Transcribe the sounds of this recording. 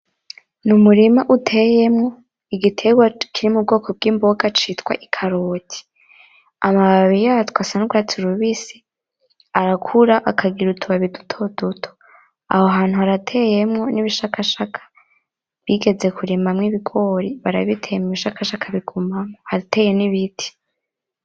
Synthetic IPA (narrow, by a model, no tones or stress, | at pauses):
numuɾimaʔutʰe̞jemŋo̞ | iɡitʰe̞ɡwakʰiɾimub̚ɡo̞ːkʰo̞b̚ɡiːmbo̞ɡat͡ʃitwa̰ʔikʰaɾoːtʰi̥ | amaβaβijatkwasanuɡwat͡siɾuβisi̥ | aɾakʰuɾaʔakʰaɡiɾutʰuβaβidu̥tʰo̞dutʰo̥ | ahoɦaːn̥huhaɾatʰe̞je̞mŋo̞niβiʃakaʃakʰḁ | βjiɡe̞ze̞kuɾiːmamŋiβiɡo̞ɾiβaɾa̰βitʰejemiβiʃakaʃakʰaβiɡumamohaɾite̞ːje̞niβitʰi̥